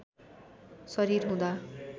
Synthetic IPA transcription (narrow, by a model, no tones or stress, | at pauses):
sʌɾirɦũd̪a